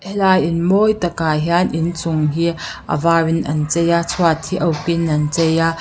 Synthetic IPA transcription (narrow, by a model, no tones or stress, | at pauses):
ʔɛlajɪnmɔjt̪ɐkaːɦianʔint͡sʊŋɦi | ʔɐ̰vaːwinʔɐ̰nt͡sɛjat͡sʰwat̪ʰiʔɐwkinːɐnt͡sɛja